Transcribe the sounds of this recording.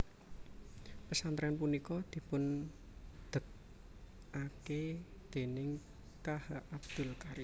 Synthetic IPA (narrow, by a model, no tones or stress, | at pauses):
pəsant̪ɾɛanpunikɔd̪̥i̤pʊn | d̪̥ə̤t̪̚ | ʔaked̪̥e̤nɪŋ | kahaʔab̚d̪̥ʊ̤lkaɾi